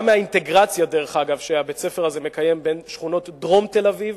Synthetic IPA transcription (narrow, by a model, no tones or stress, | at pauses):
meaint̪e̞ɡʁat͡sjadeʁeχaɡavʃeabet͡sefeʁazeme̞kaje̞mbe̞nʃχuno̞t̪dʁo̞mte̞laviv